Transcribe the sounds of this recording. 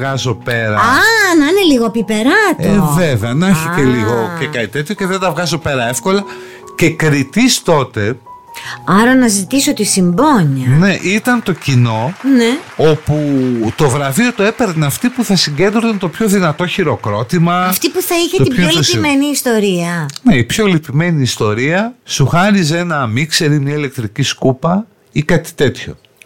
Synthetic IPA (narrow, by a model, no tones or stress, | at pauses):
ɣɐzo̞pe̞ɾɐɐnɐneliɣoɐpipe̞ɾɐt̪eoveveɐnɐçet̪eliɣo̞cekɐit̪e̞t̪ço̞ce̞ðent̪ɐvɣɐzo̞pe̞ɾɐe̞fko̞lɐ | ce̞kɾit̪ist̪o̞t̪e̞ | ɐɾɐnɐzit̪isot̪isimboɲɐne̞ʔit̪ɐnt̪o̞cino̞neoput̪o̞vɾɐvio̞t̪oe̞peɾnɐft̪ipuθɐsiɲɟe̞nd̪ɾoθɐnt̪o̞pço̞ðinɐt̪o̞çiɾo̞kɾo̞t̪imɐɐft̪ipuθɐiçet̪t̪ioliimeniːst̪o̞ɾiɐneipço̞lipime̞niːst̪o̞ɾiɐsuxɐɾiz̬e̞nɐːmikse̞ɾimɲɐile̞k̚t̪ɾiciskupɐ | ikɐt̪i̥t̪e̞t̪ço